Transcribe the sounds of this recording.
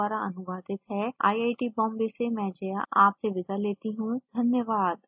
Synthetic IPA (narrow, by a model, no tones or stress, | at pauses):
aːɾaɐ̰nʊʋaːd̪ɪt̪ɦɛa̰ːiaːiʈibɔ̃ːmbesemɛ̃d͡ʒɐja̰ʔaːpseʋɪd̪ʱaleːt̪iɦũd̪ʱɐnjəʋaːd̪